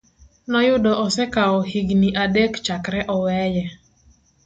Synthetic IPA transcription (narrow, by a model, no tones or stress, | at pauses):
nɔjʊdɔʔɔsɛkaɔhiɡniʔadekt͡ʃakɾɛʔɔwɛjɛ